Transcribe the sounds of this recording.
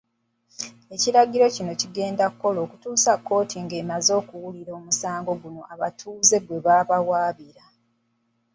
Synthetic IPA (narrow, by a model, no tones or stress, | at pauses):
e̞ciɾaɡiɾo̞cino̞ciɡe̞ːndakːo̞lo̞ːkutuːsakːo̞ːtiŋɡe̞ːmazo̞ːkuwuliɾo̞ːmusaːŋɡo̞ɡuno̞ʔaβatʰuːze̞ɡwe̞βaːβawaːβiɾa